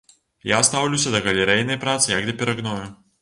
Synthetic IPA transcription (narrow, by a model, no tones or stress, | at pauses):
jast̪awlʲuwsʲɐd̪ɐɣɐlʲɛɾɛjnɐjpɾat̪sɨjɐɡd̪ɐpʲɪɾɐɣnɔjʊ